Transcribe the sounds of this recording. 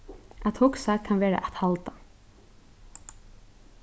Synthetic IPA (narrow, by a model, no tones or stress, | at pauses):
at̪hʊksakʰanʋeːɾa̰ʔat̪halt̪a